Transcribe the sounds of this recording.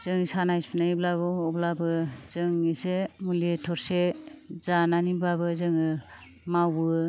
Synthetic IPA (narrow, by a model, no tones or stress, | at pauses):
z̥ɯŋɯsanajspʰinajblaβɯɔblabɯzɯŋisemuletʰɔɾsezananibabɯzɯŋɯ | mawɯ